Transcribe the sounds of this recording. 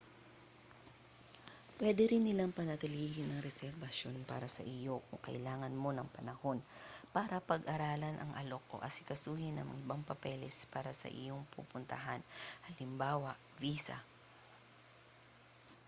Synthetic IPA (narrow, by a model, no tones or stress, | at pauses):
pwɛːd̪ɛɾɪnːɪlaŋpɐnɐt̪ɪliːhɪnɐŋɾɛsɛɾbɐʃjo̞npa̰ːɾɐsɐ̰ʔɪjo̞kʊŋkɐ̰ʔɪlaːŋɐnmo̞nɐŋpɐnɐho̞npaːɾɐpɐɡʔɐɾaːlɐnʔɐ̰ŋʔɐ̰loko̰ʔɐ̰sɪ̥kɐsuːhɪnɐ̰ŋʔɪbaŋpɐpɛlɛspaːɾɐsɐ̰ʔɪ̰joŋpṵpʊnt̪ɐɦanhɐlɪmbaːwɐ | viːsa̰